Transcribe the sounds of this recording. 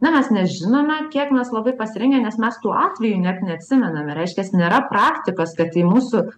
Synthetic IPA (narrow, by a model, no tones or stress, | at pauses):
nʲɛmʲɛsnʲɛʒʲɪnoːmʲɛkʲiɛkmʲɛslˠɐbɐɪpɐsʲɪɾʲɪŋʲɡʲɛnʲɛsmʲɛst̪uːʔɑːt̪ʲʋʲɛjuːnʲætnʲɛɐt̪ʲsʲɪmʲɛnɐmʲɛɾʲɛɪʃʲkʲɛsnʲeːɾɐprɑːkt̪ʲɪkoːskɐt̪ɪmuːsʊ